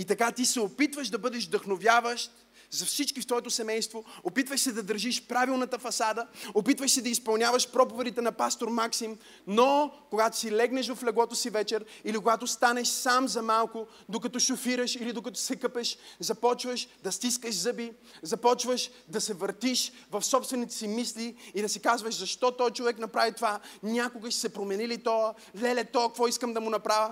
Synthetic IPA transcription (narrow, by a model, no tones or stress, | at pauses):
it̪ɐkat̪isɛopit̪vəʃd̪ɐbɤd̪ɛʒd̪ɐxnovʲjavəʃt̪̚ | zɐfsit͡ʃkift̪vɔɛt̪osɛmɛjst̪voopit̪vəʃsɛd̪ɐd̪əɾʒiʃpɾavilˠnɐt̪əfɐsad̪əopit̪vəʃsɛd̪ɐispɐlˠnʲjavəʃpɾɔpovɛd̪it̪ɛnɐpast̪oɾmaksim | nokoɡat̪o̥silɛɡnɛʃvɐflɛɡlˠɔt̪osivɛt͡ʃɛɾilikoɡat̪ost̪anɛʃsamzɐmalˠkʊ | d̪okɐt̪ɔʃʊfiɾəʃilid̪okɐt̪ɔ̥sɛkɤpɛʃzɐpɔt͡ʃvəʃd̪ɐst̪iskəʃzɤbi | zɐpɔt͡ʃvəʃ | d̪ɐsɛvəɾt̪iʃ | vɐfsɔpst̪vɛnit̪ɛ̥simisliid̪ɐsikazvəʃzɐʃt̪ɔt̪ɔjt͡ʃovɛknɐpɾavit̪ovanʲakoɡəʃsɛpɾomɛnilit̪ɔə | lɛlɛt̪ɔkɐkvɔiskəmd̪ɐmʊnɐpɾavʲə